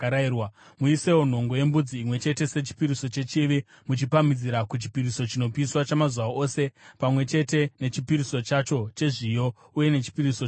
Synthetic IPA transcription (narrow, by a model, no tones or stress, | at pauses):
ɾiwamuise̞won̤o̞ŋɡo̞je̞mbud͡ziːmwe̞t͡ʃe̞te̞se̞t͡ʃi̥piɾiso̞t͡ʃe̞t͡ʃiʋi | mut͡ʃipamid͡ziɾakut͡ʃi̥piɾiso̞t͡ʃino̞piːswat͡ʃamazwaose̞pamwe̞t͡ʃe̞te̞ne̞t͡ʃipiɾiso̞t͡ʃat͡ʃo̞t͡ʃe̞ʐijo̞ | uje̞ne̞t͡ʃi̥piɾiso